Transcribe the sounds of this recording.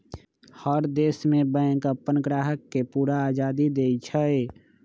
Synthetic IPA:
həɾd̪eːsmẽbə̃ɪkəpːənəɡɾaːɦəkːepuːɾaːd͡ʒaːd̪id̪eit͡ʃʰəe

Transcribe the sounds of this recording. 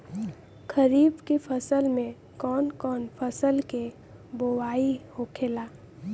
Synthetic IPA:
kʰəɾiːbkepʰəsəlmẽ | kɔːnkɔːnpʰəsəlke | bowaːihokʰeːlaː

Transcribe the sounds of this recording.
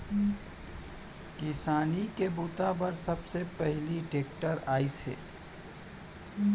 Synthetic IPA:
kɪsaːnikebut̪abɐɾsɐbsepɛɦliʈeːk̚ʈəɾaːishḛː

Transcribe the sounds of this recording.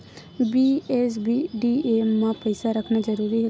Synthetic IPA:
biːeːsbiːɖiːeːmãːpəɪsaɾəkʰnaːzəɾuːɾiːɦ

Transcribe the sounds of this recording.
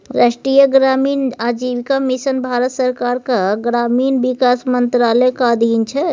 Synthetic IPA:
ɾasʈɾijəɡɾamiːnad͡ʒiʋikamisənbʱaɾət̪səɾkaɾkaɡɾamiːnbikasmənt̪ɾalɛkaəd̪ʱint͡ʃʰɛ

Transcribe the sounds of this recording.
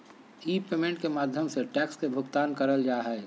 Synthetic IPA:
iːpeːmẽɳʈkemaːd̪ʱjəmseʈɛːkskebʱʊɡt̪aːnkəɾəld͡ʒaːɦɛː

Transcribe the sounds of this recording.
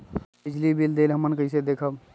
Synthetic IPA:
bɪd͡ʒlibild̪eːlɦəmənkəised̪eːkʰəb

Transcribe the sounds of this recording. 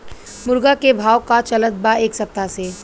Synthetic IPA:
mʊɾɡakebʱaːwkat͡ʃɐlət̪̚baeːksɐp̚t̪ase

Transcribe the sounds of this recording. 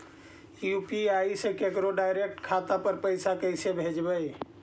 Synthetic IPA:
jupiaisekekɾoɖaɪɾek̚ʈkʰat̪apəɾpəɪsakəɪsebʱed͡ʒbəj

